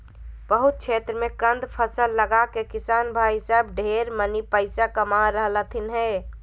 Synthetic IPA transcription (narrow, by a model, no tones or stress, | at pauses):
bəɦut̪̚kt͡ʃʰet̪ɾəmẽkənd̪ʱpʰəsəlːəɡakekisanbʱaisəbɖʱeɾmənipəɪsakəmaɾəɦlət̪ʰinɦɛ